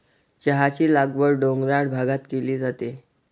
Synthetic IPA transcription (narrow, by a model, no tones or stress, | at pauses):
t͡ɕəɦat͡ɕiːlaɡʋəɾɖoŋɡɾaɽbʱaɡat̪keliːd͡zat̪e